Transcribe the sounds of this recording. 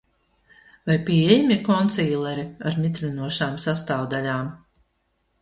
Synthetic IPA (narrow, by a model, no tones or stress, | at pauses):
vajpʲiɛjmʲikɔnt̪siːlˠɛɾiaɾmit̪ɾinuɔʃaːmsast̪aːwd̪alʲaːm